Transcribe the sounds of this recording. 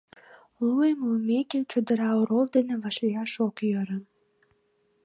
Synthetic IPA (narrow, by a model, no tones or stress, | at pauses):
luemlumeket͡ɕud̪ə̆ɾɑoɾold̪enĕβɑʃliɑʃokjəɾə̆n